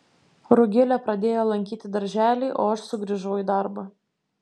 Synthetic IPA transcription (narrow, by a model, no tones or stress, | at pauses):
ɾʊɡʲɪlʲɛpɾɐd̪ʲeːjoːlˠɐŋʲkʲiːt̪ʲɪd̪ɐɾʲʒʲæːlʲɛɪʔoːɐʃsʊɡɾʲiʒɐʊjiːd̪ɑɾbɐ